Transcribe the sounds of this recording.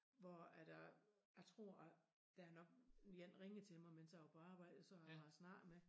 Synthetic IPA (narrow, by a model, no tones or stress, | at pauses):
ʋɒæd̥ɑjɑ̈ɪt͡sʰʁo̝̰ɐ̰æ | d̥æænɒ̽ɡ̥jen̰ʁeŋð̩ˠt͡sʰe̝lmɑɪmensjɑopʰɒɑ̈ːb̥ɑ̈ɪ̰d̥̩ˠsɒ̽hɑɑsnɑ̰̥̈ːme